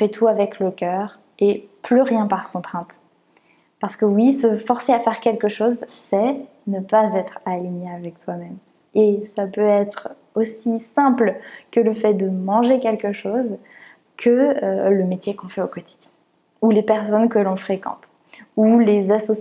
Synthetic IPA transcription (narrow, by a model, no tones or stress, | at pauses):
fɛt̪ʰuavɛkləkʲœːʁ | eplyʁjɛ̃paʁkɔ̃t̪χɛ̃t̪ | paʁsə̥kəwisəfɔʁseafɛʁkʲɛlkəʃozsɛ | nəpazɛt̪χaliɲeavɛkswamɛm | esapøɛt̪χ | osisɛ̃plkələfɛd̪əmɑ̃ʒekʲɛlkəʃoz | kʰəøləmet̪jekɔ̃fɛokɔt̪i̥d̪jɛ̃ | ulepɛʁsɔnkəlɔ̃fχekɑ̰̃t̪ | ulezasɔ